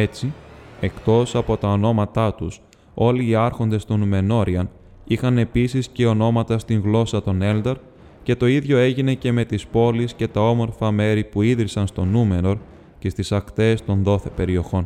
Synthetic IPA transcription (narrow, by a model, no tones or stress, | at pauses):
e̞t͡sie̞kt̪o̞sɐpo̞t̪ɐo̞no̞mɐt̪ɐt̪us | o̞liːɐɾxo̞nd̪e̞st̪o̞nume̞no̞ɾiɐn | ixɐne̞pisisce̞o̞no̞mɐt̪ɐst̪iŋɣlo̞sɐt̪o̞ne̞ld̪ɐɾ | ce̞t̪o̞iðʝo̞e̞ʝine̞ce̞me̞t̪ispo̞lisce̞t̪ɐo̞mo̞ɾfɐme̞ɾipuiðɾisɐnst̪o̞nume̞ɾo̞ɾ | ce̞st̪isɐkt̪e̞ːst̪o̞nðo̞θe̞pe̞ɾio̞xo̞n